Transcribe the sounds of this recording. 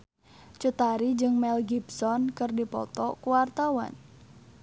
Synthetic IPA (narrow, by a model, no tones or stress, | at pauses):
t͡ʃut̪aɾid͡ʒɨŋmɛlɡibsɔnkɨrdipɔ̰t̪ɔkuwart̪awa̰n